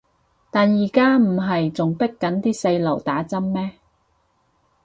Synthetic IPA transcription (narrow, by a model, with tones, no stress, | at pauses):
t̪aː˨njiː˨˩kaː˥m̩˨˩ɦɐ˨jt͡sʊ˨ŋpɪ˥kːɐ˨˥nt̪iː˥se˧jlɐ˨˩wt̪aː˨˥t͡sɐ˥mːɛː˥